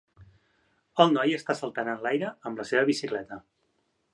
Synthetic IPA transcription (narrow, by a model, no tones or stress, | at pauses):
əlˠnɔjəst̪asəlˠt̪anənlajɾəəmləseβəβisiklɛt̪ə